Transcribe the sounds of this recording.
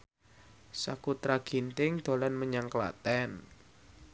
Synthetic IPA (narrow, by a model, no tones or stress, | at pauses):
sakut̪ɾaɡ̥i̤nt̪ɪŋd̪̥o̤lanməɲaŋkla̰t̪ɛn